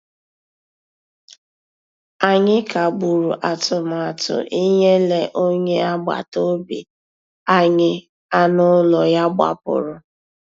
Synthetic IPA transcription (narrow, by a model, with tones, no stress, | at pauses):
a˨ɲɪ˦ka˨ɡ͡bu˨ɾu˨ʔa˨tʊ˨m˨a˨tʊ̰˨ʔi˦ɲe˦le˨ʔo˦ɲe˦a˦ɡ͡ba̰˨to˦bḭ˨ | a˦ɲɪ˦ | a˦nʊ˦lɔ˨ja˦ɡ͡ba̰˨pʊ̰˨ɾʊ˨